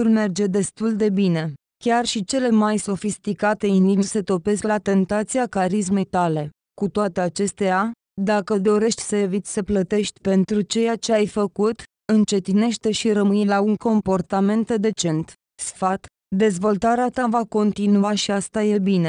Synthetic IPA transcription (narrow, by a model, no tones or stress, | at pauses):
urme̞rd͡ʒe̞d̪e̞st̪uld̪e̞bine̞ | kʲarʃit͡ʃe̞le̞majso̞fist̪ikat̪e̞ind̪ivise̞t̪o̞pe̞sklat̪e̞nt̪at̪siakaɾis̬me̞jt̪ale̞ | kut̪oat̪e̞at͡ʃe̞st̪ea | d̪akəd̪o̞ɾe̞ʃt̪ʲsəevit̪ʲsəplət̪e̞ʃt̪ʲpe̞nt̪ɾut͡ʃe̞jat͡ʃe̞ajfəkut̪ | ɨnt͡ʃe̞t̪ine̞ʃt̪e̞ʃiɾəmɨjelauŋko̞mpo̞rt̪ame̞nt̪d̪e̞t͡ʃe̞nt̪ | sfat̪ | d̪e̞zvo̞lt̪aɾeat̪avako̞nt̪inuaʃiast̪aje̞bine̞